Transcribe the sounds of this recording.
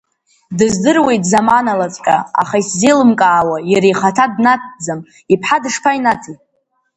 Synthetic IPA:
dɨzdɨrwe̞jtʼzamanalat͡sʼkʼaa̰χaiszejlɨmkʼaːwajaɾejχatʰadnat̚ʰd͡zam | ipʰħadɨʂpʰainatʰi

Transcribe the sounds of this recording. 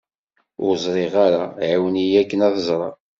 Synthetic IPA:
ʊɾzˤɾˤeʁaɾaʕawənijækːənæθəzˤɾˤɑ

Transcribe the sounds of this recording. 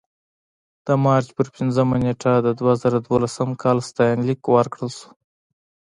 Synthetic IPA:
d̪̥əmɑɾt͡ʃpəɾpɪnzəmaneʈʰad̪əd̪wazɑɾad̪wolasəmkʰɑlst̪ɑjɑnlikwəɾkɽəlsu̥

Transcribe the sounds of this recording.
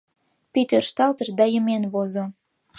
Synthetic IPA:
pit̪ørʃt̪ɑlt̪əʃd̪ɑjəmenβozo

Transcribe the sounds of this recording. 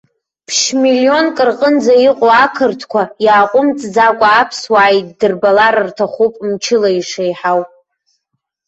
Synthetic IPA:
pʰʂmilio̞nkʼɨrqʼənd͡zaiqʼoakʰɨrtʰkʷʰajaːqʷʼʊmt͡sʼd͡zakʷʼaːpʰswaːjt̚ʼdɨrbalaɾɨrtʰaχupʼmt͡ʃʰɪlaiʂejħawpʼ

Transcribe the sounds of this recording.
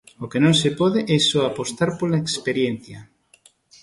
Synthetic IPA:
okenõŋsepɔðeʔɛsoapost̪aɾpolaekspeɾjen̟θjɐ

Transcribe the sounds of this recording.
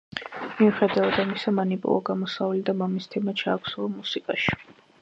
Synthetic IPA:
miuχɛd̪avad̪amisamanipʼṵlˠaɡamɔsavlid̪amamist̪ʰɛmat͡ʃʰaːkʰsulˠɔmusikʼaʃi̥

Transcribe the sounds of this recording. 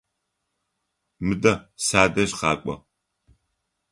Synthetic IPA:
mɨdɐsaːdɐɕqɑ̰ːkʷʼɔ̰

